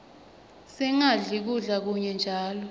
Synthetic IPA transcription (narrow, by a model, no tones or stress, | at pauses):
sɛŋaɮik̬uɮak̬uɲɛnd͡ʒʱaːlɔ